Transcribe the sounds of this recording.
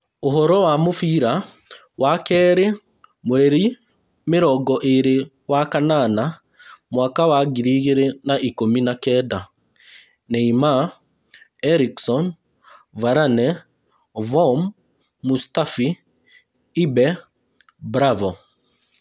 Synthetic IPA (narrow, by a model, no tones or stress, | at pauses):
oɦɔɾɔwamofiɾa | wakɛɾe | mwɛɾi | mɪɾɔɡɔʔeɾe | wakanana | mwakawaɡiɾiɣeɾenaʔikominakɛda | nɛima | ɛɾiksɔn | vaɾanɛ | vɔmː | ustafi | ibɛ | bɾavɔ